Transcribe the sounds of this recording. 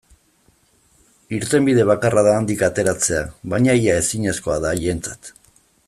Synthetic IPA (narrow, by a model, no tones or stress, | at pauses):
iɾt̪e̞mbið̞e̞β̞akaraðand̪ikat̪e̞ɾat͡se̞aβaɲaiae̞siɲe̞sko̞aðaʝent͡sḁt̪